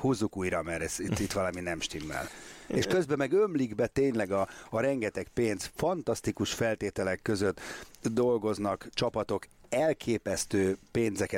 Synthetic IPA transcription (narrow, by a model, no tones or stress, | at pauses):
huzːukuːjɾɒmɛɾɛsit̪ːit̪ːʋɒlɒminɛmʃt̪imːɛ̰leʃkø̞zbɛmɛɡømliɡbɛt̪eːɲlɛɡɒːɾɛŋɡɛt̪ɛkpeːnzfɒnt̪ɒst̪ikuʃfɛlt̪eːt̪ɛlɛkːø̞zø̞t̪ːd̪o̞lɡo̞znɒkt͡ʃɒpɒt̪o̞k | ɛlkʰeːpɛst̪øːpeːnzɛkɛ